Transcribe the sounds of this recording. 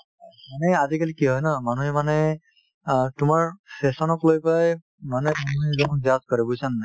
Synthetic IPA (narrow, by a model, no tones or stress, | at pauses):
manɛazikalikiɦɔjnamanuɦɛmanɛ | tʊmaɹsesɔnɔklojpaj | manɛmanuɦɛzɔnɔnzazkɔɹɛbujsanːa